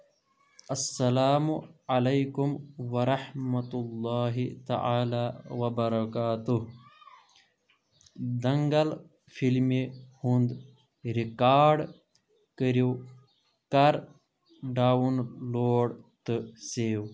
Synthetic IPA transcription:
ɐsːɐlaːmuɐlɐjkumʋɐɾɐħmɐt̪ulːaːɦit̪ɐ̰ʔaːlaːwɐbɐɾɐkaːt̪uɦ | d̪ɐŋɡɐl | fʰilmihund̪ | ɾikaːɾɖ | kəɾiw | kɐɾ | ɖaːwunloːɽt̪ɨseːw

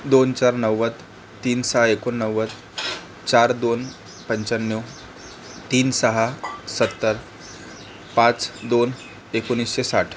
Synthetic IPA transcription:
d̪ont͡ɕaɾnəwːət̪ | t̪ːiːnsəɦaekonːəwːət̪ | t͡ɕaɾd̪on | pəɲt͡ɕənjo | t̪iːnsəɦasət̪ːəɾ | pãt͡sd̪on | ekonisɕesaʈʰ

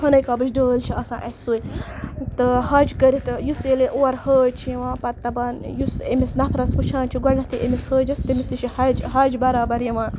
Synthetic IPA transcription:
hɐnɐjkaːbɨt͡ʃɖəːlt͡ʃʰiɐsã̰ːʔɐsʲsuːit̪ɨhɐːd͡ʒkəɾit̪ɨjuseleʔoɐɾhəːt͡ʃʰieʋãːpɐt̪ːɐbaːnjusḛmisnɐpʰɾɐsput͡ʃʰãːnt͡ʃʰiɡwɐɾʲnɐt̪ʰiʔemishəːd͡ʒɐst̪ɐmist̪iʃihɐd͡ʒɦɐːd͡ʒbɐɾaːbɐɾjɐʋãːn

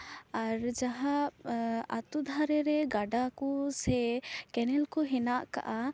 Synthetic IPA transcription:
aɾd͡ʒaɦa | a̰t̪ud̪ʱaɾɛɾɛɡaɖakusɛkɛnɛlkɔɦɛnaʔka̰ʔa

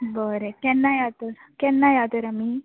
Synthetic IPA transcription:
boɾekɛnːajaːt̪ukɛnːajaːt̪uɾɐmi

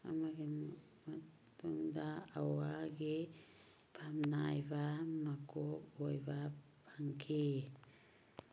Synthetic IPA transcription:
a̰maɡe | ma | tundaawaɡe | pʰamnajvamakoojvapʰaŋkʰe

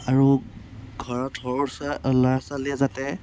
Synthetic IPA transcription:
aɹuɡʱɔɹɔthɔɹɔsaɔlaɹsaliɛzatɛ

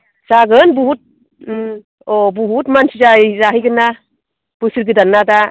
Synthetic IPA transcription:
saɡɯnbuɦut̚ | ɔbuɦutmansid͡ʒajzaɦɯjɡɯnːa | b̥ɯsɯɾɡɯdanːada

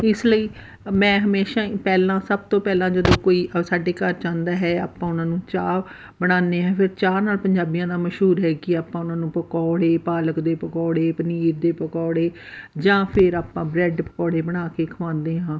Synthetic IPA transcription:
ɪsləiː | mɛ̃ːɦəmeːʃãːpɛːlãːsəb̚t̪õːpɛːlãːd͡ʒəd̪õːkoːiːʔəsaːɖeːkəɾt͡ʃãːnd̪aːɦɛːa̰ːpãːʊnãːnũːt͡ʃaː | bəɽ̃aːnd̪eːɦãːpʰɪɾt͡ʃaːɾnaːlpəɲd͡ʒaːbijãːd̪aːməʃɦuːɾɦɛːkɪaːpãːʊnãːnũːpəkɔːɽeːpaːləkd̪eːpəkɔːɽeːpəniːɾd̪eːpəkɔːɽeːd͡ʒãːpʰɪɾaːpãːbɾɛːɖpəkɔːɽeːbəɽ̃aːkeːkʰəʋãːnd̪eːɦãː

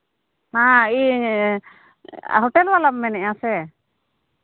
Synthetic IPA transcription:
hãi | ɦɔʈɛlwalamːɛnɛãsɛ

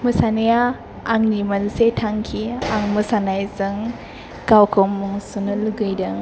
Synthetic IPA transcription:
mɯsanejaː | ŋnimalsetʰaŋkʰiaŋmɯsanajzɯŋ | kawkʰomːuŋsunɯluɡɯjdɯŋ

